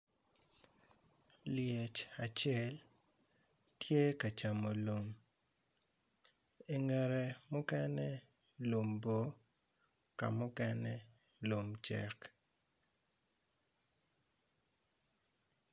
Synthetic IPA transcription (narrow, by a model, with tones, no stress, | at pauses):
lje˨t͡ʃa˨t͡ʃɪɛ˦l | tje˦ka˨t͡ʃa˨mo˨lo˨m | e˨ŋɛ˨ɾe˨mʊ˦kɛ˦nɛ˦ | lo˨mbo˨ | ka̰˨mʊ˦kɛ˦nɛ˦ | lo˨mt͡ʃɛ̰˦k